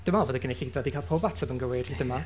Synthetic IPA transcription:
d̥ɪmalvoːdəɡəneɬidvadikʰalˠpʰoːbatʰabənɡəwɪrhidəma

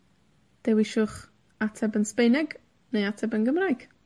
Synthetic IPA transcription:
d̥ɛwiʃʊχ | atʰɛbənspejnɛɡ | nejatʰɛbənɡəmrajɡ̥

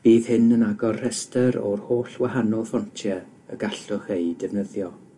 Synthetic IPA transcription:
b̥iːðhɨnənaɡɔrrɛstəɾɔ̰rhoːɬwahanɔlˠfɔntʰjɛ | əɡaɬʊχejdɛvnəðjɔ

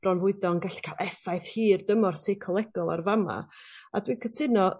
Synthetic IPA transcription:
b̥rɔnvʊɨdɔnɡɛɬi̥kʰalˠʔɛfajθhiːrdəmɔrsejkʰɔlˠɛɡ̥ɔlˠa̰rvama̰a̰dwiːkʰətʰɪnɔ

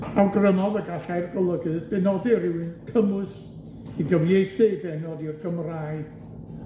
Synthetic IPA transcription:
awɡrənɔðəɡaɬajrɡɔlˠəɡɨðb̥ɛnɔdiɾɪwɨnkʰəmʊs | iɡəmjejdsebɛnɔdirɡəmrajð

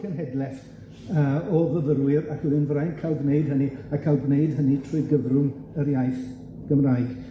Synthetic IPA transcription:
kʰənɦɛdlɛθ | əːɔvəðəɾwɪɾakʰlɪnvrajnkʰalˠɡneɨd̚ɦəniakʰalˠɡneɨdɦənitʰruɨɡəvrʊnəɾjajθ | ɡ̥əmrajɡ̥

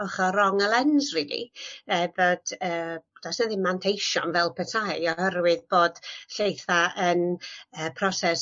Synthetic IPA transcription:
ɔχaɾɔŋəlˠɛnzrilḭɛbɔd̥əːd̥asnəðimantʰejʃɔnvɛlˠpʰətʰajɔhəɾwɨðboːd̥ɬejθaʔənəːpʰrɔsɛs

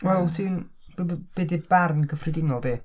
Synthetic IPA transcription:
wɛlˠtʰiːn | b̥b̥edibarnɡəfrɪdɪnɔlˠdiː

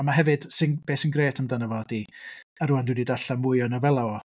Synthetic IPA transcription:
amaɦɛvɨd̥sɪnb̥eːsɪnɡreːtʰəmdanəvɔdiaɾʊandɪdidaɬamʊɨɔnɔvɛlˠawɔ

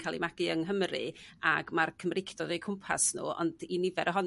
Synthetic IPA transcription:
kʰaːlˠḭmaɡ̥ɨəŋɦəmrɨ̰aɡmarkʰəmrɪkʰd̥ɔdejkʰʊmpʰa̰snṵːɔ̰ndinɪvɛɾʔɔɦɔn

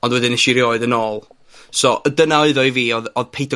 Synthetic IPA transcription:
ɔndwɛdɪnəʃiɾjoːɨðənoːlˠ | sɔʔədənaoɨðɔjviːɔðɔðpʰejtʰɔ

